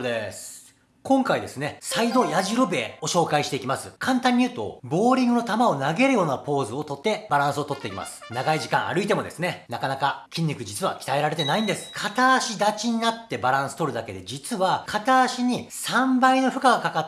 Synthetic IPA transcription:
d̪esɨ̥ | kõ̞ŋkaid̪e̞sɨne̞said̪o̞jaʑiɾobe̞o̞ɕo̞ːkaiɕi̥t̪e̞ikʲimasɨkʰãnt̪ãɲ̟ːiɯ̟ːt̪o̞̰bo̞ːɾʲĩŋɡɯ̟not̪amao̞naɡe̞ɾɯ̟jo̞ːnapo̞ːzɨo̞t̪o̞t̪ːe̞baɾãɰ̃sɨo̞t̪o̞t̪ːe̞ikʲima̰sɨ̥naɡaiʑikãɰ̃ʔa̰ɾɯ̟it̪e̞mo̞d̪e̞sɨne̞nakanakakʲĩɲ̟ːʲikɯ̟d͡ʑit͡sɨβa̰kʲi̥t̪ae̞ɾaɾe̞t̪e̞naĩnd̪e̞sɨ̥kʰat̪aːɕid̪at͡ɕiɲ̟inat̪ːe̞baɾãɰ̃sɨ̥t̪o̞ɾɯ̟d̪ake̞d̪e̞d͡ʑit͡sɨβakʰat̪aːɕiɲ̟isãmbaino̞ɸɯ̟kaɡakaka

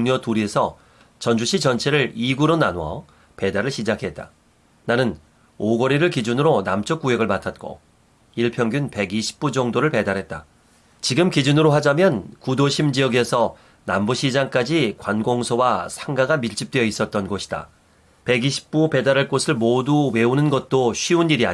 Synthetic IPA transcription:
ŋɲʌtuɾiesʰʌ | t͡ɕʌnd͡ʑuɕʰit͡ɕʌnt͡ɕʰe̞ɾɯɭiɡuɾonanwʌ | pe̞daɾɯɭɕʰid͡ʑakʰe̞t̚t͈a̰ | nanɯn | oɡʌɾiɾɯɭkid͡ʑunɯɾonamt͡ɕ͈ʌk͈ujeɡɯɭmatʰat̚k͈o̰ | iɭpʰjʌŋɡjunpe̞ɡiɕʰi̥p̚p͈ud͡ʑʌŋdoɾɯɭpe̞daɾɦe̞t̚t͈a̰ | t͡ɕiɡɯmkid͡ʑunɯɾoɦad͡ʑamjʌnkudoɕʰimd͡ʑiʌɡe̞sʰʌ | nambuɕʰid͡ʑaŋk͈ad͡ʑikwanɡoŋsʰowasʰaŋɡaɡamiɭt͡ɕ͈ip̚t͈weʌis͈ʌt̚t͈ʌnɡoɕʰi̥d̥a̰ | pe̞ɡiɕʰi̥p̚p͈upe̞daɾɯɭk͈osʰɯɭmoduwe̞unɯnɡʌt̚t͈oɕʰɥiuniɾia̰

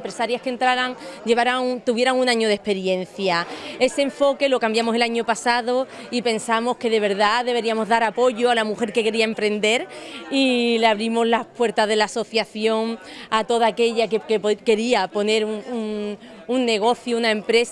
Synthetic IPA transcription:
mpɾesaɾjaskent̪ɾaɾaŋɟ͡ʝe̞βaɾaŋt̪uβje̞ɾaŋunãɲoð̞e̞hpe̞ɾje̞nθjae̞se̞eɱfo̞ke̞lo̞kambjamo̞se̞laɲo̞pasaðo | ipe̞nsamo̞ske̞ðe̞β̞e̞ɾðaðe̞βe̞ɾiamo̞zðaɾapo̞ʝo̞alamuxe̞ɾke̞ke̞ɾiaempɾe̞nd̪e̞ɾileaβ̞ɾimo̞zlapwe̞ɾt̪aðe̞laːso̞θjaθjo̞ŋat̪o̞ðaːke̞ʎakekeke̞ɾiapo̞ne̞ɾuŋuŋ | unːe̞ɣ̞o̞θjounae̞mpɾe̞s

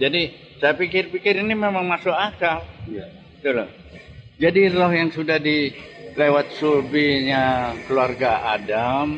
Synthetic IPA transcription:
d͡ʒadi | sajapikɪrpikɪɾinimemaŋmasʊkakalja | bət̪ulʊ | d͡ʒadirɔhjaŋsudahdilewat̪̚surbiɲakəluarɡaʔadam

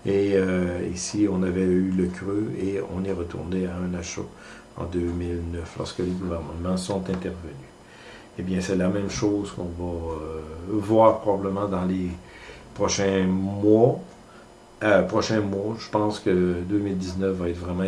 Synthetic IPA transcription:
eøisiɔ̃navɛyləkʲʁøeɔ̰̃nɛʁət̪ṵʁneaɛ̃naʃo̰ | ɑ̰̃d̪ømilnœflɔ̰ʁskəleɡuvɛʁnəəmɑ̃sɔ̃t̪ɛ̃t̪ɛʁvəny | ebjɛ̃sɛlamɛ̃mʃozkɔ̃va | vwaːʁpʁɔbabləmɑ̃d̪ɑ̃le | pχɔʃɛ̃mwa | pχɔʃɛ̃mwaʒəpɑ̃skəd̪ømild̪iznœfvaɛt̪vʁɛmɑ̃

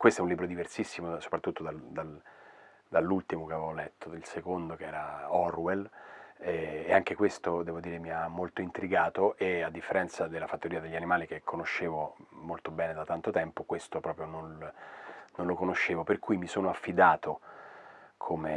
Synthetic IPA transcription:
kwest̪oɛunlibɾod̪iversisːimoso̥pɾat̪ːut̪ːod̪ald̪al | d̪alːult̪imokeavevolɛt̪ːoilsekond̪okeɛːɾaɔrwelɛːaŋkekwest̪od̪ɛːvod̪iːɾemiamːolt̪oint̪ɾiɡaːt̪oʔead̪ːifːeɾɛnt̪sad̪elːafat̪ːoɾiːad̪eʎːanimaːlikekʰːonoʃːeːvomolt̪obɛːned̪at̪ant̪ot̪ɛmpokwest̪opɾɔːpɾjonon | nonlokonoʃːeːvoperkujmisoːnoafːid̪aːt̪o | kʰome

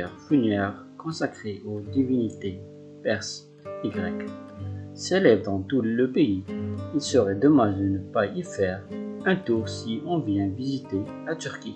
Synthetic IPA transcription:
ɛʁfunjɛʁ | kɔ̃sakχeʔod̪ivinit̪e | pɛʁs | iɡʁɛk | selɛbd̪ɑ̃t̪uləpeiilsəʁɛd̪əmad̪ənəpaifɛʁɛ̃t̪uʁsiɔ̃vjɛ̃vizit̪elat̪yʁkʲi

